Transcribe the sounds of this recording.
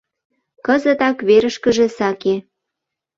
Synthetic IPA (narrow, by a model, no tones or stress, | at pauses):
kəzət̪ɑkβeɾəʃkəʒĕsɑke